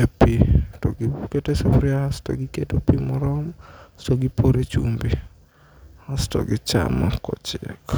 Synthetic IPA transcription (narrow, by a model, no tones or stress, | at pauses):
epitɔɡɪketesefɾiahastɔ̰ɡɪketopimɔɾɔmstoɡɪpʰoɾet͡ʃumbi | astɔ̰ɡɪt͡ʃa̰mɔkɔ̰t͡ʃɪk